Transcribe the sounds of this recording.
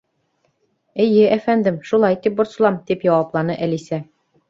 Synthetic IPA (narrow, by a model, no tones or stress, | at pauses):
ɘ̆jɘʔæfænd̪ɘmʃulˠɑjt̪ip̚bŏɾsɤ̆lˠɑmt̪ipjɒwɑplˠɑnɤʔælisæ